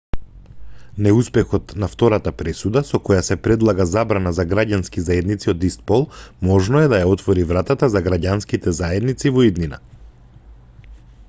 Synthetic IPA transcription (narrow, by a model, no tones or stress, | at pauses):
nɛuspɛxɔt̪naft̪ɔɾat̪apɾɛsud̪asɔkɔjasɛpɾɛd̪lˠaɡazabɾanazaɡɾaɟanskizaɛd̪nit̪siɔd̪ist̪̚pɔlˠmɔʒnɔɛd̪ajaɔt̪vɔɾivɾat̪at̪azaɡɾaɟanskit̪ɛzaɛd̪nit̪sivɔid̪nina̰